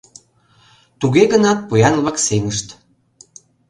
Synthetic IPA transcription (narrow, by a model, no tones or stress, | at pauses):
t̪uɣeɣənɑt̪̚pujɑnβɑkseməʃt̪